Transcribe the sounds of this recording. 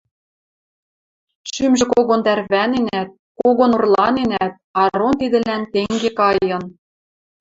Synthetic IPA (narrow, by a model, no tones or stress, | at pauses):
ʃymʒɘ̆koɣont̪ærβænenæt̪̚ | koɣonurlˠɑnenæt̪̚ɑɾont̪id̪ɘ̆lænt̪eŋɡekɑjɤ̆n